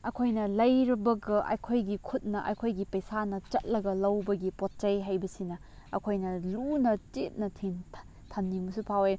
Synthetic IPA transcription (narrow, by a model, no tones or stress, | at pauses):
ɐkʰojnɐlɐjɾɐbɐɡɐʔɐ̰jkʰojɡikʰut̚nɐʔɐ̰jkʰojɡipɐjsanɐt͡ʃɐt̚lɐɡɐlɐwbɐɡipot̚t͡ʃɐjɦajbɐsinɐ | ɐkʰojnɐlunɐt͡ʃet̚nɐtʰinʰ | tʰɐnːimɐsupʰawe